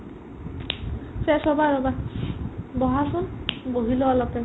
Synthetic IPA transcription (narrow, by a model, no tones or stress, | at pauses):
sesɔbaɾɔba | bɔɦasunboɦiloɔlɔpe